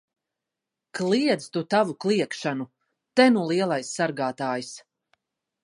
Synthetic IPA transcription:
klˠiɛd̪zt̪ut̪avuklˠiɛkʃanu | t̪ɛnulˠiɛlˠajsːaɾɡaːt̪aːjis

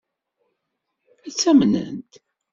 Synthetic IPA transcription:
æt͡sːæmnə̰nt̪

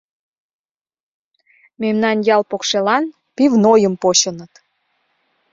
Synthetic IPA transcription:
memnɑnjɑlpokʃelɑn | pivnojəmpoɕənət̪

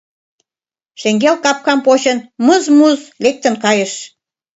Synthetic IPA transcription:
ʃeŋɡelkɑp̚kɑmpot͡ɕə̆nməzmuzlek̚t̪ə̆nkɑjəʃ

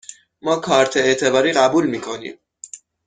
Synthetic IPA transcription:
mɒːkʰɒːɾt̪ʰeet̪ʰe̞bɒːɾiːɢæbuːlmiːkʰo̞nḭm

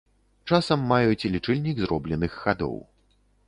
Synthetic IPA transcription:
t͡ʂasɐmːajut͡sʲlʲit͡ʂɛlʲnʲiɡzɾɔblʲɛnɨxːad̪ɔ̰w

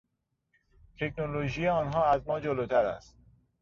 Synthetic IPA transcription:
t̪ʰekʰnoloʒijeɒːnɦɒːæzmɒːd͡ʒoloːt̪ʰæɾæ̰st̪̚

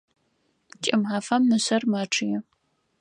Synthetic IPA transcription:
t͡ʃʼɪmħaːfɐmnɨɕɐrmaːʈ͡ʂʰɨjɛ

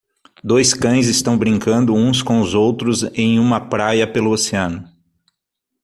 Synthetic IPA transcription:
d̪ojskɐ̃j̃zɪst̪ɐ̃w̃bɾĩŋkɐ̃nd̪ʊũs̬kõʊzowt̪ɾʊzẽj̃ũmɐpɾajɐpelʊoseɐ̃nʊ

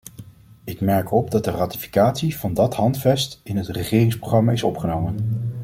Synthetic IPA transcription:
ɪkmɛɹkɔb̚dɑt̚dəraːti̥fi̥kaːtsiv̥ɑndɑtɦɑntfɛstɪnɦətrəχɪːrɪŋsproχrɑmaɪsɔ̰pχənowmən

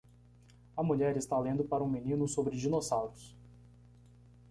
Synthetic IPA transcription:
ɐmuʎɛɾɪst̪alẽnd̪ʊpaɾɐũminĩnʊsobɾɪd͡ʒinosawɾʊs

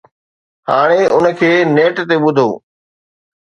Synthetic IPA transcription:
haːɽ̃eʊnkʰeːneːʈt̪eɓʊd̪ʱo̰ː

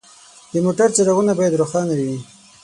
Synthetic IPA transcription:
d̪əmoʈaɾt͡saɾaɣunabɑjad̪ɾoxɑnawiwi

